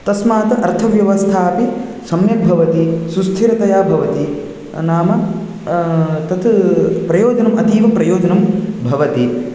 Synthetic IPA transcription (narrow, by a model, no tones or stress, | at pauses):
t̪ɐsmaːt̪ɐʔɐɾt̪ʰɐʋjɐʋɐst̪ʰaːpisɐmjɐbʱɐʋɐt̪isust̪ʰiɾɐt̪ɐjaːbʱɐʋɐt̪i | naːmɐ | t̪ɐt̪pɾɐjoːd͡ʒɐnɐmɐt̪iːʋɐpɾɐjoːd͡ʒɐnɐmbʱɐʋɐt̪i